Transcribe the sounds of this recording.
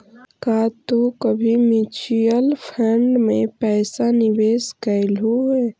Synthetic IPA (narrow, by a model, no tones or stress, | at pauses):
kaːt̪okəbʱimit͡ʃijəlpʰɛɳɖmẽpɛːsanɪʋeːskəɪlɦuɛː